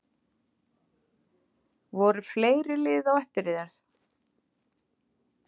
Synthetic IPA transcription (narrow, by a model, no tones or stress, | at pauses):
vɔɾʏfleːjɾɪlɪːðawɛht̪ɪɾɪðaɾ̥θ